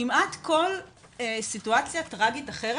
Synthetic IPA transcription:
imatko̞l | esituat͡sjatʁaɡitaχeʁe

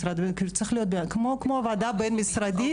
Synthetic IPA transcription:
sɾad̪benkit͡sɛxlijot̪̚bekmokmovad̪abenmisɾad̪i

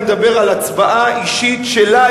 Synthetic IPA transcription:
med̪abe̞ʁalat͡svaʔaiʃitʃela

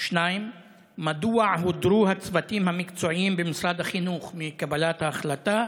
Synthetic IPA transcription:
ʃnaimː | ad̪uaʕɦod̪ɾuhat͡svat̪imhamikt͡soimbemisɾad̪haχinuχmikabalat̪haːχlat̪a

